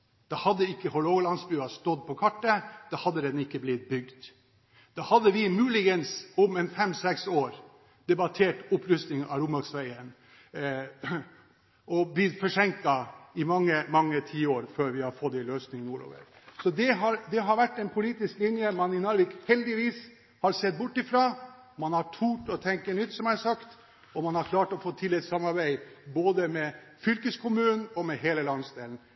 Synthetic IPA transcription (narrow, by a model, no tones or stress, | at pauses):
d̪̥ɑhɑd̪ːəɪkːəhɔloːɡlɑnsbʉːɑst̪ɔd̪pʰɔkʰɑʈːəd̪̥ɑhɑd̪ːəd̪ɛnɪkːəblɪt̪̚bʏɡd̪ | d̪̥ɑːhɑd̪ːəʋɪmʉːlɪɡənsʊmɛnfɛmsɛksoːɾ | d̪̥ɛbɑt̪ʰeːʈʊpɾʉst̪nɪŋɑ̰ɾʊmɑksʋæɪən | ɔblɪt̪fɔʂɛŋk̚t̪ɑɪmɑŋːəmɑŋːət̪ʰiːoːɾføːɾʋɪhɑɾfɔt̪d̪ɛɪløːsnɪŋnuːɾo̰ːʋə̰ɾ | sɔd̪ɛɦɑɾd̪ɛɦɑɾʋæʈːɛnpʰʊliːt̪ɪsklɪnjəmɑnɪnɑɾʋɪkhɛld̪ɪʋiːs | hɑɾsɛt̪̚bʊʈːɪfɾɑː | mɑnhɑʈʰuːʈɔt̪ʰɛŋkənʏt̪ːsɔmæsɑkt̪ | ɔmɑnhɑɾkʰlɑːʈɔfoːt̪ʰɪlːɛt̪sɑmːɑɾbæɪboːd̪əmɛ | fʏlkəskʰʊmʉːnn̩ɔmɛɦeːləlɑnsd̪eːln̩